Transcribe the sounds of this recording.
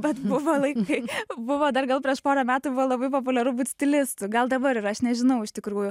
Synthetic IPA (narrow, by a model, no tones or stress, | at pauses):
bʲɛt̪bʊʋoːlˠɐɪkɐɪbʊʋoːd̪ɐrɡɐlˠpʲɾʲiɛʃpoːɾɐmʲæːt̪ʊbʊʋoːlˠɐbɐɪpoːp̬ʊlʲɛɾʊbuːt̪ʲsʲt̪ʲɪlʲɪst̪ʊɡɐlˠd̪ɐbɐɾɪɾɐʃnʲɛʒʲɪnɐʊɪʃʲt̪ʲɪkɾuːjʊ